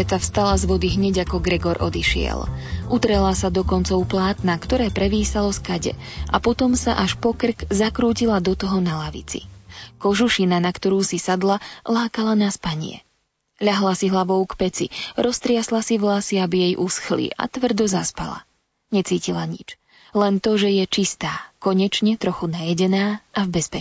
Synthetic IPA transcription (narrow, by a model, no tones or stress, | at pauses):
ɛt͡safst̪alazʋɔd̪iɦɲɛɟakɔɡɾɛɡɔɾʔɔ̰d̪iʃɪɛ̰lʔut̪ɾɛlasad̪ɔkɔnt͡sɔʊplaːt̪nakt̪ɔɾɛːpɾɛʋiːsalɔskaɟɛ̰ʔa̰pɔt̪ɔmsa̰ʔaʃpɔkr̩kzakɾuːcilad̪ɔt̪ɔɦɔnalaʋḭt͡sḭkɔʒuʃinanakt̪ɔɾuːsisad̪lalaːkalanaspaɲɪɛ̰ | ʎaɦlasiɦlaʋɔʊkpɛt͡sḭɾɔst̪ɾɪaslasivlasiabijɛjʔusxlḭʔa̰t̪ʋr̩d̪ɔzaspa̰la̰ | ɲɛt͡siːcilaɲḭt͡ʃ | lɛnt̪ɔʒɛjɛt͡ʃist̪aːkɔɲɛt͡ʃɲɛt̪ɾɔxunajɛɟɛnaːʔavbɛspɛ